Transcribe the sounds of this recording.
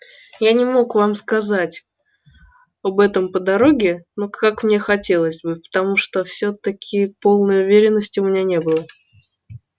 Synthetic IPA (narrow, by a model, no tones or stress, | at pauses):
janʲɪmo̞kvamskɐzatʲ | ɐbɛt̪əmpəd̪ɐɾo̞ɡʲɪnokakmnʲe̞xɐtʲe̞lˠəzʲbɨpə̥t̪ɐmuʂt̪ofsʲot̪ɐkʲʰɪpo̞lˠnəjʊvʲeɾʲɪnːəsʲtʲɪʊmʲɪnʲanʲe̞bɨlˠə